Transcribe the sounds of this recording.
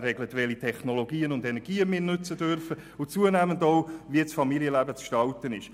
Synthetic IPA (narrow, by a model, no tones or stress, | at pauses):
rɛɡlətʋɛlitʰɛχnoloɡiːənʊndɛnɛɾɡiːəmɪːɾnʏt͡sədøɾfə | ʊt͡suənæːməndoʊviət͡sfɑmiljəlæːbət͡sʃtɑltənɪʃ